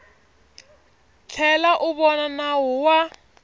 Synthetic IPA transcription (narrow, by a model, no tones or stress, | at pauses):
t͡ɬʰɛlaʔuβɔnanawɔwa